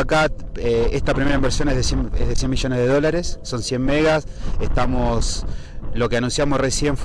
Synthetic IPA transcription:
akat̪̚ | eest̪apɾime̞ɾaimbeɾsjo̞neɦðesjeḛðesje̞nmiʒo̞neðeðo̞laɾesːo̞nsje̞mmeɣasest̪amo̞s | lo̞keanũnsjamosre̞sje̞ɱf

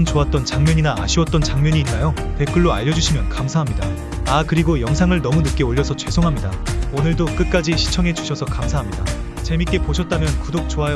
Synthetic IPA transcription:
nt͡ɕoat̚t͈ʌnt͡ɕaŋmjʌɲinaa̰ɕʰiwʌt̚t͈ʌnt͡ɕaŋmʌɲiːnːajope̞k͈ɯɭːoa̰ʎːʌd͡ʑuɕʰimjʌnkamsʰaɦamɲida | akɯɾiɡojʌŋsʰaŋɯɭnʌmunɯk͈eoʎːʌsʰʌt͡ɕwe̞sʰoŋɦamɲidaonɯɭdok͈ɯt̚k͈ad͡ʑiɕʰi̥t͡ɕʰʌŋɦe̞d͡ʑuɕʰʌsʰʌkamsʰaɦamɲida | t͡ɕe̞mit̚k͈e̞poɕʰʌt̚t͈amjʌnkudok̚t͡ɕoaj

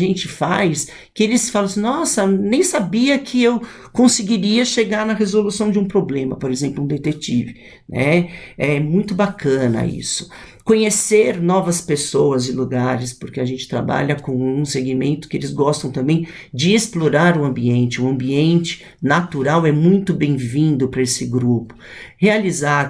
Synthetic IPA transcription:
ʒẽnt͡ʃɪfajs | kɪelɪsfalɐ̃snɔsɐnẽj̃sabiɐkʰɪew | kõsɪɡiɾiɐʃeɡaɾnɐɦezolusɐ̃w̃d͡ʒɪũpɾoblẽmɐpoɾezẽmplʊũd̪et̪ekt͡ʃivɪ | nʔɛ̰ɛɛmũj̃t̪ʊbakɐ̃nɐ̰ḭsʊ̥ | kõɲeseɾnɔvɐspesowɐzɪluɡaɾɪspʊɾkɪaʒẽnt͡ʃɪ̥t̪ɾa̰ba̰ʎɐkõw̃ũseɡimẽnt̪ʊ̥kɪelɪzɡɔst̪ɐ̃w̃t̪ɐ̃mbẽj̃ | d͡ʒɪesploɾaɾʊɐ̃mbiẽnt͡ʃɪʊɐ̃mbiẽnt͡ʃɪ̥ | nat̪uɾawɛmũj̃t̪ʊbẽj̃vĩnd̪ʊpɾɐesɪɡɾupʊ̥ | healizaɾ

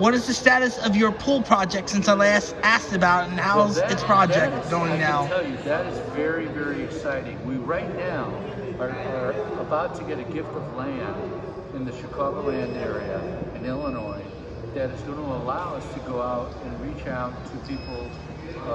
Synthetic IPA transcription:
wʌɾɨzðɨstæɾɨsʌvjə˞pʰulˠpʰɹ̥ɑd͡ʒɛk̚tsɨ̃nsɪlˠaɪsæstɨbaʊɾ̃n̩haʊzɨtspʰɹ̥ɑd͡ʒd͡ʒɛkk̚ɡ̥oʊɪ̃ŋnaʊtʰɛjɨðɨɾɨzvɛɹivɛɹiɨksaɪɾɪ̃ŋwiɹaɪtⁿnaʊ | ə˞ə˞əbaʊtʰɨɡɛɾɨɡɪftʌvlæ̃nd | ɨ̃nðɨʃɨkʰɑɡoʊlæ̃ndɛɹiɨɨ̃nɪlˠənɔɪ | ðɨɾɨsd̥ʊdⁿn̩əlaʊʌstʰɨɡoʊaʊɾɨ̃nɹit͡ʃaʊtʰɨpʰipl̩ˠ

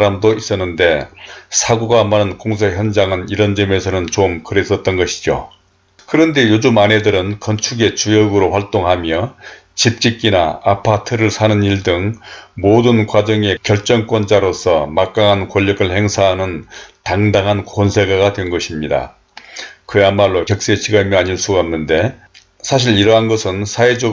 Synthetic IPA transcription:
ɾamdois͈ʌnːɯnde̞sʰaɡoɡamanɯnkoŋsʰeçjʌnd͡ʑaŋɯniɾʌnd͡ʑʌme̞sʰʌnɯnt͡ɕomkɯɾe̞s͈ʌt̚t͈ʌnɡʌɕʰi̥d͡ʑo̰ | kɯɾʌnde̞jod͡ʑumane̞dɯɾɯnkʌnt͡ɕʰuɡe̞t͡ɕujʌɡɯɾoɸwaɭt͈oŋɦamjʌ | t͡ɕip̚t͡ɕ͈ik͈ina̰apʰatʰɯɾɯɭsʰanɯniɭdɯŋmodɯnkwad͡ʑʌŋe̞kjʌɭt͡ɕ͈ʌŋk͈wʌnd͡ʑaɾosʰʌmak͈aŋɦankoʎːʌɡɯɭhe̞ŋsʰaɦanɯntaŋdaŋɦankonsʰe̞ɡaɡadwe̞nɡʌɕʰimɲida̰ | kɯamːaɭːokjʌk̚s͈e̞ɕʰiɡamjiaɲins͈uɡanːɯnde̞ | sʰaɕ̬ʰiɾiɾʌɦanɡʌsʰɯnsʰae̞d͡ʑʌ

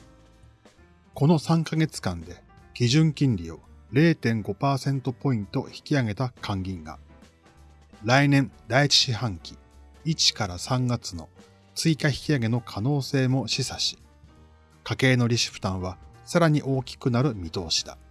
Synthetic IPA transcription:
ko̞no̞sãŋkaɡe̞t͡sɨ̥kãnd̪e̞kʲiʑɨ̃ŋkʲĩnɾʲio̞̰ɾe̞ːt̪ẽ̞ŋɡo̞paːsẽ̞nt̪o̞po̞ĩnt̪o̞çi̥kʲiaɡe̞t̪akʰãŋɡʲĩŋɡa̰ | ɾainẽ̞nd̪ait͡ɕi̥ɕihãŋkʲi̥ | it͡ɕi̥kaɾasãŋɡat͡sɨno̞̰ | t͡sɨikaçi̥kʲiaɡe̞no̞kʰano̞ːse̞ːmo̞ɕisaɕi̥ | kake̞ːno̞ɾʲiɕi̥ɸɯ̥t̪ãɰ̃β̞asaɾaɲ̟iʔo̞ːkʲi̥kɯ̟naɾɯ̟mʲit̪o̞ːɕi̥d̪a̰

